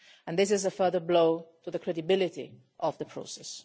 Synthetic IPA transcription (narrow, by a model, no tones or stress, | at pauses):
ə̃nðɪs̬ɪzəfɜ˞ðəbloʊtuðəkʰɹ̥ɛdibɪlɪtḭ | ʔɔvðəpʰɹ̥o̰ʊsɛs